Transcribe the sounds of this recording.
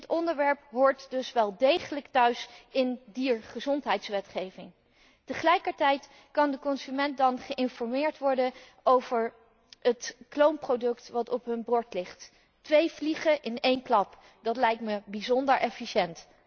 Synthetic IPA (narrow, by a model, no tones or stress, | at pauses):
ətɔndəɹʋɛɹpɦʊːɹtdɵsʋɛlˠdejχələktœɥsɪndiːɹχəzɔntɦɛjtsʋɛtχejvɪŋ | təχəlɛjkəɹtɛjt | kɑndəkɔnzymɛnt̚dɑnχəʔɪnfɔɹmɪːɹtʋɔɹdən | owvəɹ | ətklowmprodɵktʋɑtɔpɦɵnbrɔɹtlɪχtː | ʋejvliχəʔɪnejnklɑp | d̥ɑtlɛjk̚tməbizɔndəɹʔɛfiʃɛnt